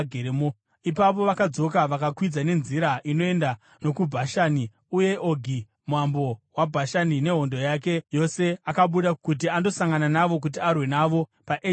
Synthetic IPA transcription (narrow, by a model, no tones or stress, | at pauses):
ɡʱeɾemo | ipapo̞ʋakad͡zo̞kaʋakakwid͡zane̞nziɾaʔino̞e̞nda | no̞kubʱaʃani | uje̞ʔoɡʱi | mwambo̞wabʱaʃanine̞ɦo̞ndo̞jak̬e̞jo̞se̞akaɓuɗakut̬iando̞saŋɡananaʋo̞k̬ut̬iarwe̞naʋo̞paʔe